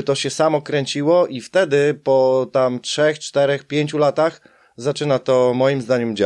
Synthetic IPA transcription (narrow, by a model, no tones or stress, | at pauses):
t̪ɔɕɛsamɔkɾɛɲt͡ɕiwɔʔift̪ɛd̪ɘpɔt̪amtʂɛxt͡ʂt̪ɛɾɛxpʲjeɲt͡ɕulat̪ax | zat͡ʂɘnat̪ɔmɔjimzd̪aɲɛmd͡ʑa